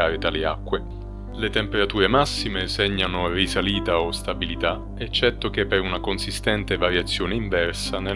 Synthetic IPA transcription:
aːɾet̪aleakːwe | let̪empeɾat̪uːɾemasːimeseɲːanorisaliːt̪aost̪abilit̪a | et͡ʃːɛt̪ːok̟epːeɾunakonsist̪ɛnt̪evaɾjat̪sːjoːneiɱvɛrsane

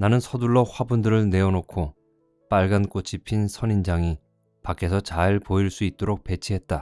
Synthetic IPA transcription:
nanɯnsʰʌduɭːʌɸwabundɯɾɯɭne̞ʌnokʰo | p͈aɭɡank͈ot͡ɕʰipʰinsʰʌnind͡ʑaŋi | pakʰe̞sʰʌt͡ɕaiɭpoiɭs͈uit̚t͈oɾok̚p͈e̞t͡ɕʰiɦe̞t̚t͈a

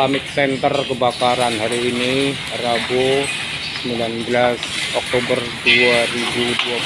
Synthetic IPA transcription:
amɪk̚sɛnt̪ərkəbakaɾanhaɾiːni | rabu | səmbilanbəlasɔk̚t̪obərduaribudua

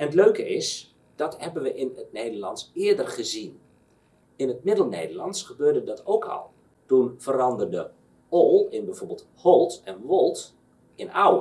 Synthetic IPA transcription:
ʔɛnətløɥkəɪs | d̥ɑthɛbənʋəʔɪnət̚nejdərlɑntsɪədərχəzin | ɪnətmɪdəlˠnḛːjdərlɑntsχəbøːrdədɑtʰowkʰɔ̰lˠ | tunfəɾɑndərdə | olˠɪnbɛjv̥oːɹbɪlˠtholˠtɛnʋolˠt | ɪnawə

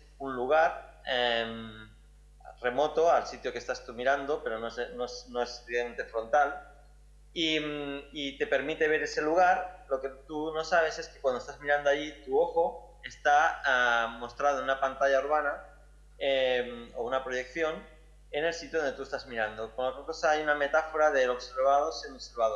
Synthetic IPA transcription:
unluɣ̞aɾ | em | re̞mo̞t̪o̞alsit̪jo̞kest̪ast̪umiɾand̪o̞pe̞ɾo̞nosenoesnoesieent̪e̞fɾo̞nt̪al | imit̪e̞pe̞ɾmit̪e̞β̞e̞ɾe̞se̞luɣ̞aɾlo̞ke̞t̪uno̞saβ̞e̞se̞skekwand̪oest̪azmiɾand̪oaʎit̪uo̞xo | e̞st̪aamo̞st̪ɾað̞ounapant̪aʎauɾβ̞ana | emo̰unapɾo̞ʝe̞k̚θjo̞n | ene̞lsit̪joðnd̪et̪ue̞st̪azmiɾand̪okonlokelkosaajuname̞t̪afo̞ɾaðe̞lo̞kse̞ɾβaðoseniseɾβaðo

